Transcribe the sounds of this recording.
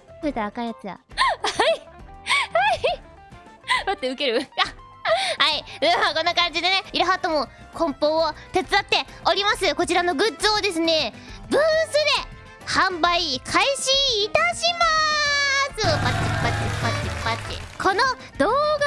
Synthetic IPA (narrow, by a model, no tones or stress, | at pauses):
sot̪aakajat͡sɨja̰hai | hai | mat̪ːeɯ̟ke̞ɾɯ̟ka | haid̪emako̞nːakãɲ̟d͡ʑid̪e̞ne̞iɾaɦat̪ːomo | kʰõ̞mpõ̞ot̪e̞t͡sɨat̪ːe̞ | o̞ɾʲimasɨko̞t͡ɕiɾano̞ɡɯ̟t͡soːd̪e̞sɨne̞ | bɯːsɨd̪e̞ | hãmbaikʰaiɕiːt̪aɕima | sɨpat͡ɕːipːat͡ɕːipatːipːat͡ɕːḭkʰo̞no | d̪̥o̞ːɡa